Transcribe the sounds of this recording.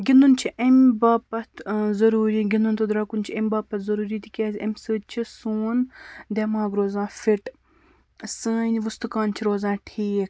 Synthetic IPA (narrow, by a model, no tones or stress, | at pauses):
ɡʲinunt͡ʃʰiʔemʲbaːpɐt̪ʰzɐɾuːɾiːɡʲinunt̪od̪ɾaːkunt͡ʃʰiɐmʲbaːpɐt̪ʰzɐɾuːɾiːt̪ikʲɛzʲɐmʲsɨːd̪̚ʲt͡ʃʰisuːnd̪ʲeːmaːɡɾoːzãːfiʈ | səːnʲʋust̪ukaːnt͡ʃʰiɾoːzãːʈʰiːk̚ʰ